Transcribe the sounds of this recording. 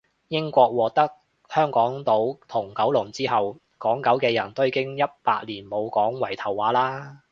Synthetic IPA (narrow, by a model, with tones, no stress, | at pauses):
jɪ˥ŋkʷɔː˧k̚wɔː˨˧k̚t̪ɐ˥k̚ | hœː˥ŋkɔː˨˥ŋt̪o˨˥wt̪ʰʊ˨˩ŋkɐ˨˥wlʊ˨˩ŋt͡siː˥ɦɐ˨w | kɔː˨˥ŋkɐ˨˥wkɛː˧jɐ˨˩nt̪o˥i˧kɪ˥ŋjɐ˥t̚paː˧k̚liː˨˩nmo˨˧wkɔː˨˥ŋwɐ˨˩jt̪ʰɐ˨˩wːaː˨˥laː˥